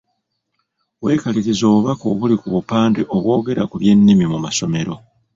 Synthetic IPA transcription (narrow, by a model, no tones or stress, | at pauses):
we̞ːkaliɾizo̞ːβuβako̞ːβulikuβupaːndiʔo̞βwo̞ːɡe̞ɾakuβje̞nːimimumaso̞me̞ɾo̞